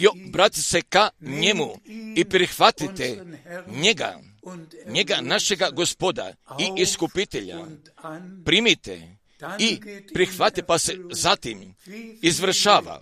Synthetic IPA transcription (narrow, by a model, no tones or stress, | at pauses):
jobɾat̪isekaɲe̞muipɾixʋat̪it̪eɲeɡa̰ | ɲeɡanaʃe̞ɡaɡospo̞d̪a̰iʔiskupit̪eʎa̰ | pɾimit̪ḛ | ipɾixʋat̪ipasezat̪imizʋr̩ʃaːʋa̰